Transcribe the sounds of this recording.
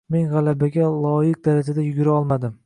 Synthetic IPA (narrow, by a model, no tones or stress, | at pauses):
me̞nʁalabaɡʲalˠɒjɪq̚d̪aɾad͡ʒad̪ajʊɡʲɪɾaɒlˠmad̪ɪm